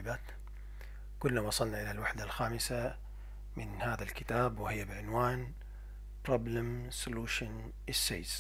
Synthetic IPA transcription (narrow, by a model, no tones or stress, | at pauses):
baːt̪ | kʊlːawɑsˤɑlnaʔɪlalwaħd̪alxaːmɪsa | mɪnhaːðalkɪt̪aːbwɪhɪjːabɪʕʊnwaːn | pɾˤɑːblɪmsʊluːʃʊn | ʔɪsːḛːz